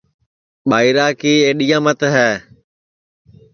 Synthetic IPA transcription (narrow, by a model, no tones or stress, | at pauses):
ɓaːiɾaːkiːẽːɗijãːmət̪ɦɛː